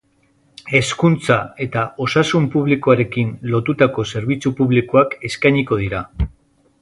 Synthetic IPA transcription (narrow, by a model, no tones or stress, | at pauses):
e̞skunt͡sae̞t̪ao̞sasumpuβ̞likoaɾe̞kinlo̞t̪ut̪ako̞se̞ɾβ̞it͡supuβlikoake̞skajɲiko̞ð̞iɾa